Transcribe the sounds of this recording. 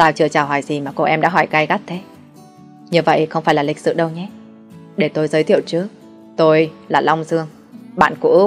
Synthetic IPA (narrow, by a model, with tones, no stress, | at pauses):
t̪aː˧˩wt͡ɕɨ˧˩ət͡ɕaː˨˩ɦɔ˧˩jzi˨˩maː˨˩ko˧ʔɛ˧mɗa̰ː˧˥ɦɔ˧˩jka˧jɣa˦˥t̚t̪ʰe˨˦ | ɲɨ˧və̰˧˨jxə˧wŋ͡mfaː˧˩jlaː˨˩lï˨˩k̟̚sɨ̰˧˨ɗə˧wɲɛ˨˦ | ɗe˧˩t̪o˧jzəː˨˦jt̪ʰḭ˧˨əwt͡ɕɨ˨˦ək̚ | t̪o˧jlaː˨˩la˧wŋ͡mzɨ˧əŋ | ɓa̰ː˧˨nkṵ˧˥